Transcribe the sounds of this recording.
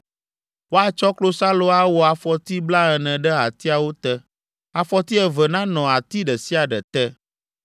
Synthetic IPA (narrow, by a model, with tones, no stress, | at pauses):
wo˦a˦t͡ʃɔ˦klo˦sa˦lo˦a˦wɔ˨a˨fɔ˨t̪i˦bla˦ɛ˨nɛ̃˨ɖɛ˦a˨t̪i˦a˨wo˦t̪ɛ˦ | a˨fɔ˦t̪i˦ɛ˨vɛ˨nã˦nɔ̃˨a˨t̪i˦ɖɛ˨si˦a˨ɖɛ˨t̪ɛ˦